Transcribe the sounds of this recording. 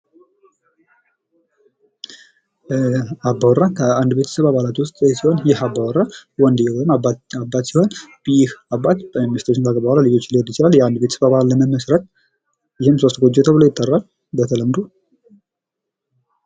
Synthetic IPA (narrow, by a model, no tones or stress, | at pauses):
abːawɔɾːakʰəand̪be̞t̪ʰə̥səβaβalat̪wʊst̪ʼsiho̞njɛhabːawɔɾːawɔnd̪jɛwomabːat̪siho̞nbəjɪhabːat̪bəmst̪ʰot͡ʃːɪnkʰaɡəbawɾalid͡ʒo̞t͡ʃːliod̪jɪt͡ʃɪlaljɛand̪be̞t̪ʰə̥səβaβalːəməməsɾət̪ | jɪhɨmso̞st̪ɡod͡ʒːet̪ʰəβɨlo̞jɪt̪ʼːərːal | bət̪ʰələmːd̪u